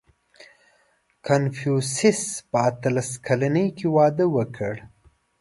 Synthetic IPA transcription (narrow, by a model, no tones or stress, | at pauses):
kʰanfjusɪspəat̪alaskʰalanəjkewɑd̪əwəkʰəɽ